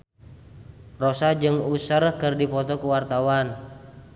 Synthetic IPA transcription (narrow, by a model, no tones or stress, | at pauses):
rɔsad͡ʒɨŋusərkɨrdipɔt̪ɔkuwart̪awan